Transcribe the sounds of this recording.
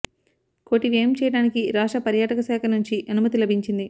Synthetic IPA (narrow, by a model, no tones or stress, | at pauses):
koːʈiʋeːmt͡ʃɛːjɐɽaːnikiɾaːʂʈɐpɐɾjaːʈɐkɐsɛːkʰɐnuɲt͡ʃiʔɐnumɐt̪ilɐbʱiɲt͡ʃind̪i